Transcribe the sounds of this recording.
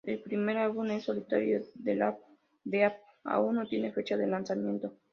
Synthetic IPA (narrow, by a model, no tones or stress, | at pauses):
elpɾime̞ɾalβunesːolit̪aɾjoðelap̚ | d̪eap̚ | a̰unnːot̪je̞nefe̞t͡ʃaðelansamjẽ̞nt̪o